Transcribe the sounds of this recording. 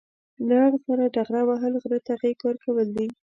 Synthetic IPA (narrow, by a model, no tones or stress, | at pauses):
nɑɽsaɾaɖaɣɾawaɦəlɣɾət̪aɣikwəɾkawəld̪i